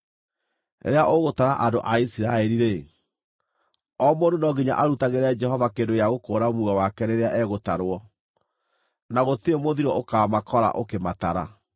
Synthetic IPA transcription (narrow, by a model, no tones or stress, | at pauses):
nḛɾeaʔoɣotaɾaʔandoʔaisiɾaɛɾiɾe | ɔmoːndonɔɡiɲa̰ʔaɾutaɣeɾɛd͡ʒɛhɔvakeːndojaɣokoːɾamuɣawakɛɾeɾeaʔɛɣotaɾwɔ | naɣoteemoðiɾɔʔokaːmakʰɔɾa̰ʔokemataɾa̰